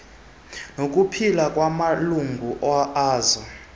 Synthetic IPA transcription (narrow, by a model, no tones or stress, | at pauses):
nok̬ʼupʰilakʼwamaluŋɡʱuʔɔaːzɔ